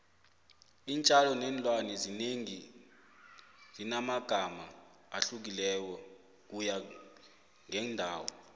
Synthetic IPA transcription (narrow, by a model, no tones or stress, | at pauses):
iːnt͡ʃʼalɔnɛnlʼwanɛzineŋi | zinamaɡ̥ʱamaː | ɬuk̬ilɛk̬ɔ | k̬uja | ŋɛndʱaːwɔ̰